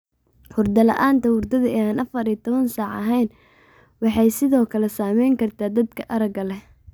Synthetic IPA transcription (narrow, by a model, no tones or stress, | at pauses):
hʊrd̪ɐlɐ̰ʔaːnt̪ʰɐwʊrd̪ɐðɐɛːaːnʔɐfɐɾijt̪ʰɔβɐnsɑːʕɐ̰ɦɛjn | wɑħɑjsɪðɔːkʰɐlɛsaːmɛjŋkʰɐrt̪ʰaːd̪ɐd̪kʰɐʔɐɾɐɡɐlɛ